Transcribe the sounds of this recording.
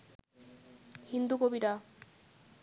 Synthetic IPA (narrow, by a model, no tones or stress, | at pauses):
hind̪ukobiʈa